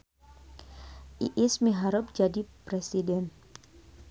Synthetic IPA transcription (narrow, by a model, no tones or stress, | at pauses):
ʔḭʔɪsmiɦaɾəp̚d͡ʒadipɾɛsidɛn